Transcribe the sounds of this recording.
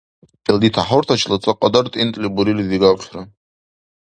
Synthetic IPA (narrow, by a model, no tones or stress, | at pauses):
pʼeld̪itʰaħortʰat͡ʃʰlat͡sʼaqʼadartʼint̪ʼlibuɾiliziɡakʷʲra